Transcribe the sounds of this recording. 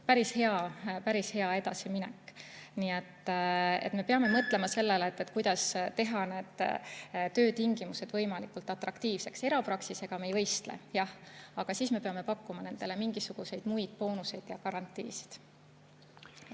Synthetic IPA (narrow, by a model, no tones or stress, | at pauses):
pæɾishe̞ɑpæɾishe̞ɑe̞d̪ɑsiminɛkːˑniːet̪ːḛt̪me̞peɑme̞mɤt̪ːˑle̞mɑse̞lːeleːt̪ːˑet̪ːˑkujd̪̥ɑst̪e̞ɦɑne̞ːd̪̥ | t̪ø̞ːt̪iŋɡ̥imused̪̥vɤjmɑlikult̪ˑɑt̪rɑkt̪iːvse̞kse̞ɾɑpɾɑksise̞ɡ̥ɑmejvɤjst̪lḛjɑhɑɡ̥ɑsiːsme̞peɑme̞pɑkːumɑne̞nd̪̥e̞le̞miŋɡ̥isuɡ̥use̞jd̪̥mujd̪̥̚po̞ːnuse̞jd̪̥jɑkɑɾɑnt̪ːˑḭːsi̥d̪̥